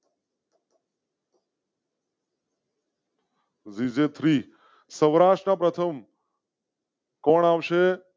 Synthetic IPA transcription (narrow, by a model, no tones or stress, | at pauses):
zid͡ʒet̪ʰɾi | sə̃ʋɾaʂʈɾəpɾət̪ʰəm | kɔɳ̃aʋʃe